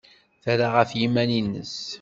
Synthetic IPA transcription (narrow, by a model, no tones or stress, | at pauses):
θæɾaʁəfjimæninːə̰s